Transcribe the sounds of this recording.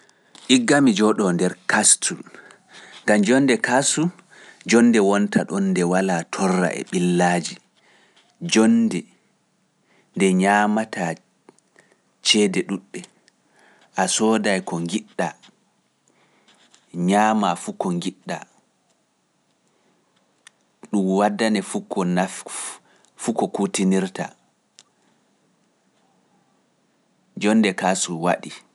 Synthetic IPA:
ʔiɡːamid͡ʒɔɗɔndɛɾkastʰu | ŋɡamd͡ʒɔnːdɛkasu | d͡ʒɔnːdɛwɔntʰaɗɔnːdɛwalaːtʰɔrːa̰ʔɛ̰ɓilːaːd͡ʒi | d͡ʒɔndɛ | ndɛɲamatʰa | t͡ʃɛːdɛɗuɗːɛ | ʔasɔːdajkɔŋɡiɗːa | ɲaːmafukɔŋɡiɗːa | ɗumwadːanɛfukɔna | fukɔkutiniɾta̰ | d͡ʒɔnːdɛkasuwa̰ɗi

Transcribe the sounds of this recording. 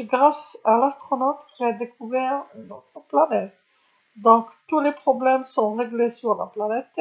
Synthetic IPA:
ɡʁasalast̪χɔnot̪ilad̪ekuvɛʁyno̰t̪χəplanɛt̪̚ | d̪ɔ̃kt̪ulepχɔblɛmsɔ̃ʁeɡlesyʁla̰planɛt̪

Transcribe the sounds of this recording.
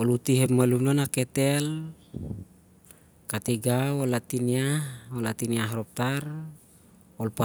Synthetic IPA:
olut̪iɦepmalumlonaket̪el | kat̪iɡawolat̪iniaholat̪iniaɦrop̚t̪ar | olpa

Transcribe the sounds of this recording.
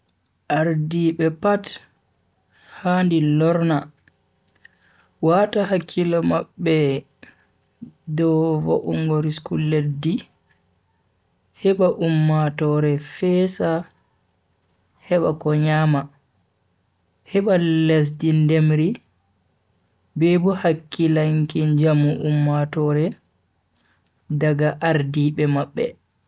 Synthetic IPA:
ʔaɾdiɓɛpat | handilɔɾna | wataɦakʰːilɔmaɓːɛ | dɔvɔ̰ʔṵŋɡɔɾiskulːedːi | hɛɓaʔumːatɔɾɛfɛːsa | hɛɓakɔɲaːma | hɛɓales̬dindemɾi | bebuhakːilaŋkind͡ʒamuʔumːatɔɾɛ | daɡaʔaɾdiɓɛmaɓːɛ̰

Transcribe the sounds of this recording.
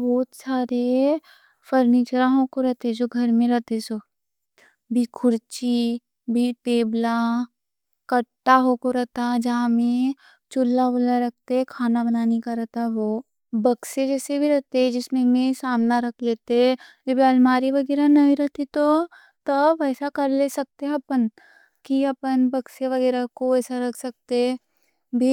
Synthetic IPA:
bɔːt̪saːɾe | fɐɾniːt͡ʃɾaɦõkoɾɐɦt̪esoɡʱɐɾmẽɾɐɦt̪eso | bʱikʰʊɾt͡ʃi | bʱiteːbla | kɐʈːaɦokoɾɐɦt̪ad͡ʒɐɦãmẽ | t͡ʃʊlːabolaɾɐk̚ʰt̪eɦɛ̃kʰaːnabɐnaːnekaɾɐɦt̪aɦʋoː | bɐksed͡ʒɛːsebʱiɾɐɦt̪eɦɛ̃d͡ʒɪsmẽmẽsaːmnaɾɐkʰleːt̪eɦɛd͡ʒɐbʱialmaːɾiʋɐɡɛːɾanɐɦiɾɐɦt̪it̪o | t̪ɐbɛːsakɐɾlesɐk̚t̪eɦɛɐpən | kiɐpənbɐkseʋɐɡɛːɾakoɛːsaɾɐkʰsɐk̚t̪e | bʱi

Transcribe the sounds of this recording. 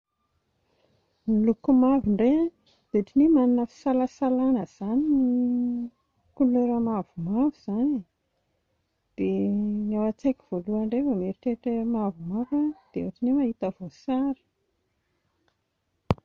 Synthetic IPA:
milukumavuɳɖ͡ʐea | d̪̥eʈ͡ʂinimaninəfi̥salasalanəz̥anini | kulueɾəmavumavuz̥ani | d̪̥enawat͡seki̥v̥oluaɳɖ͡ʐevəmeɾiʈ͡ʂeʈ͡ʂemavumavad̪̥eoʈ͡ʂinimaɦit̪əv̥osaɾi̥

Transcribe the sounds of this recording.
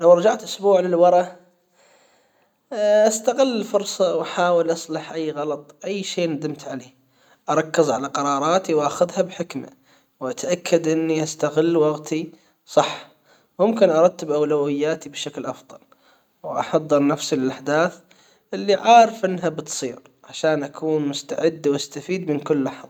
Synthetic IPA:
lawɾˤɑd͡ʒaʕt̪ʔʊsbuːʕlɪlwɑɾˤɑ | ʔast̪aɣɪlːfʊɾsˤɑwʔaħaːwɪlʔɑsˤlɑħʔajːɣɑlɑt̪ˤʔajːʃeːnad̪ɪmt̪ʕaleː | ʔɑɾˤɑkːɪzʕalaqɑɾˤɑːɾˤɑːt̪iwʔaxʊðhabħɪkma̰ | wʔat̪ʰaʔakʰːad̪ʔɪnːiʔast̪aɣɪlːwɑɣt̪ʰi | sˤɑħː | mʊmkɪnʔɑɾˤɑd̪̚t̪ːɪbʔawlawɪjːaːt̪ibʃaklʔɑfðˤɑ̰l | wʔɑ̰ħɑd̪ˤːɨɾnafsilɪlʔaħd̪aːθ | ʔɪlːiʕaːɾɪfʔɪnːɦabɪt̪sˤiːɾ | ʕaʃaːnʔakuːnmʊst̪aʕɪd̪ːwʔast̪afiːd̪mɪnkʊlːaħðˤ

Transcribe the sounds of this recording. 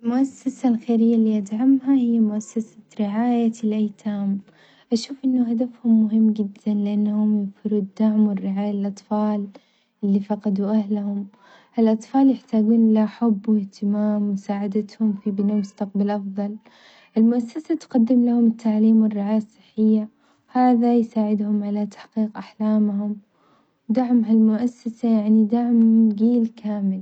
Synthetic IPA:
ɪlmʊʔasːasalxeːɾɪjːalːiːʔad̪ʕamhahɪjːamʊʔasːasḁɾɪʕaːjalʔajt̪ʰaːm | ʔaʃuːfʔɪnːʊhad̪afhʊmːʊɦɪmːɡɪd̪ːanlɪʔanːahʊmjɪðfɪɾuːd̪aʕmwɪrːɪʕaːjalʔɑt̪ˤfɑːl | ʔɪlːifɑqɑd̪uʔahlhʊm | ʔɪlʔɑt̪ˤfɑːljɪħt̪aːɡuːnʔɪlaħʊbːwɪht̪ɪmaːmwɪsaːʕad̪at̪hʊmfibɪnaːmʊst̪aq̚balʔɑfðˤɑl | ʔɪlmʊʔasːasat̪qad̪ːɪmlahʊmɪt̪ʰːaʕliːmwɪrːɪʕaːjasˤːɨ̥ħːɪjːa | haːðajsaːʕɪd̪hʊmʕalat̪ḁħqiːqʔaħlaːmhʊm | wd̪aʕmɦalmʊʔasːasajaʕnid̪aʕmɡiːlkʰaːmɪl

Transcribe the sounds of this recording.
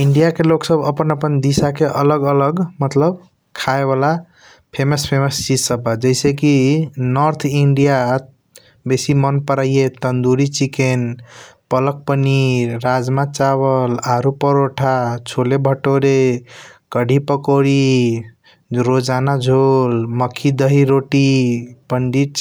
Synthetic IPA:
iɳɖijakeloksəbəpənəpənd̪isakeʔələɡələɡmət̪ləb | kʰaebala | pʰeməspʰeməst͡ʃid͡ʒsəbad͡ʒəjsẽkinəɾt̪ʰiɳɖija | besimənpəɾajjet̪ənd̪uɾit͡ʃikenpələk̚pəniɾad͡ʒmat͡ʃaβəlaɾupəɾoʈʰat͡ʃʰolebʱəʈoɾe | kəɖʱipəkoɾi | ɾod͡ʒanad͡ʒʱolməkʰːid̪əɦiɾoʈipəɳɖiʈ

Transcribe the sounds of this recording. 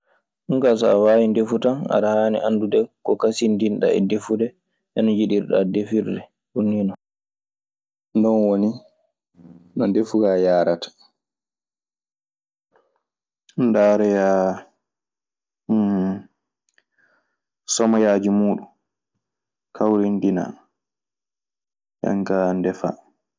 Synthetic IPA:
ʔuŋkasaawaːwindefutana̰ɾahaːnḭʔandudɛkɔkasindinɗa̰ɛ̰defudɛ | ʔɛnɔɲd͡ʒiɗiɾɗa̰defiɾdɛ | ʔunːinɔ | ndɔnwoni | nɔndefuɡajaːɾatḁ | ndaːɾɛjaː | sɔmajaːd͡ʒimuːɗun | kʰawɾindina̰ | ja̰ŋkandɛfa̰

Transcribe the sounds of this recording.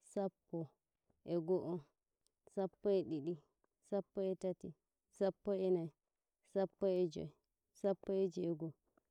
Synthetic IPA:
sapːɔ | ʔɛɡɔʔɔ | sapːɔɛɗiɗi | sapːɔɛtati | sapːɔɛnaj | sapːɔɛd͡ʒɔ̰ɛ | sapːɔɛd͡ʒiɛɡɔ

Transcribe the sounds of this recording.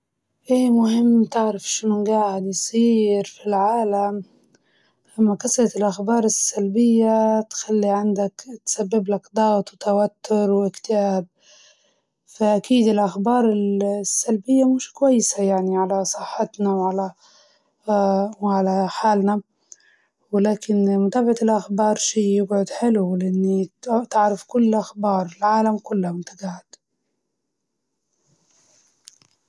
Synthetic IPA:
ʔeːmʊhɪmːt̪ɪʕɾafʃɪnʊnɡaːʕɪd̪jsˤiːɾfilʕaːlam | ʔamːakasɾɑt̪ɪlʔaxbɑːɾˤɪsːalbɪjːat̪xalːiʕand̪akt̪sabːɪblakd̪ˤɑːwat̪wt̪awat̪ːʊɾwʔɪkt̪ɪʔaːb̚ | faʔakiːd̪ɪlʔaxbɑːɾˤɪlsːalbɪjːamɪʃkʊwajːɪsajaʕniʕalasˤɨħːɪt̪nawʕala | wʕalaħaːlna | wɪlaːkɪnmʊt̪aːbaʕaɪlʔaxbɑːɾˤʃiːjɪbʕʊd̪ħɪlulɪʔɪnːit̪ɪʕɾˤafkʊlːʔaxbɑːɾˤɪlʕaːlamkʊlːhamʊnt̪aɡaʕad̪

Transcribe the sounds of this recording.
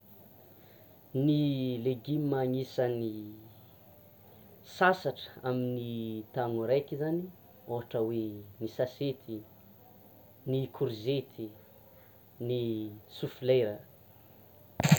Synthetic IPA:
nileɡimmaŋisəni | sasaʈ͡ʂə̥aminit̪aŋuɾajkizani | oɦaʈ͡ʂəwenisaset̪ʰi | nikʰuɾzet̪ʰi | nisufilejɾə

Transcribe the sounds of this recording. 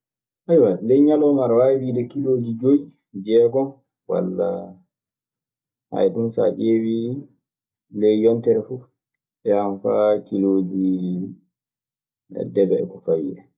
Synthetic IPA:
ʔajwalɛjɲalɔmaɾwawiːɗɛkilod͡ʒid͡ʒoi | d͡ʒɛːɡɔ | wa̰lːa | ha̰jɗunsa̰ʔeːwi | lɛjjɔntɛɾɛfu | ɓɛamfakilod͡ʒi | dɛbɛɛ̰kɔfawḭːɗɛ

